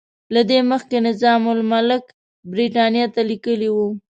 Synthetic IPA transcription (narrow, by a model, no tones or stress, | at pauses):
lad̪eməxkenɪzɑmʊlmalɪk | bɾiʈɑnjɑt̪alikəliwu